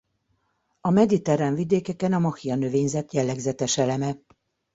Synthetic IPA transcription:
ɒmɛd̪it̪ɛɾɛnvid̪eːkɛkɛnɒmɒfijɒnøveːɲzɛt̪jɛlːɛɡzɛt̪ɛʃɛlɛmɛ

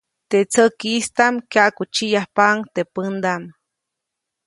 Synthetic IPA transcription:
t̪et͡səkist̪amkjaʔkut͡ʃijahpaŋt̪epənd̪am

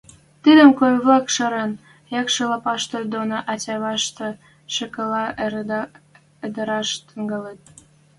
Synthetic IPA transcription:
t̪id̪əmkojβlɑkʃɤɾen | jɑkʃəlɑpɑʃt̪od̪onoʔɑtʲɑβɑʃt̪ɤ̆ | ʃə̆kəlɑʔ̪ | ed̪əɾɑʃt̪əŋɡəlet̪̚

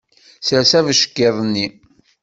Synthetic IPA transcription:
sɾsævəʃə̥kːeðˤnːi

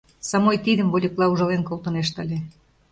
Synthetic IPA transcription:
sɑmojt̪id̪ə̆mβolʲiklˠɑuʒɑlenkolˠt̪ɤ̆neʃt̪əlʲe

